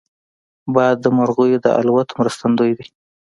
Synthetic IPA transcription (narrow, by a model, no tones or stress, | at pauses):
bɑjad̪ːəmaɾɣujod̪ə̰ʔa̰lwat̪omɾəst̪and̪ojd̪i